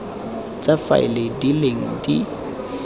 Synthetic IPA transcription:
t͡sʼafa̰ɪ̰ledileŋ̩di

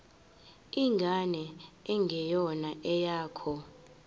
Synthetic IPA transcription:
iŋɡʱanɛɛŋɡʱɛjɔnaʔɛjaːkʰɔ

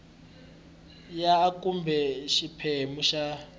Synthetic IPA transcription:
jaːkʼumbʱɛʃipʰɛmuʃa

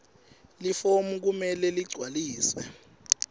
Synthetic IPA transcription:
lifomuk̬umɛlɛliɡ͡ǀʱwaliːsɛ

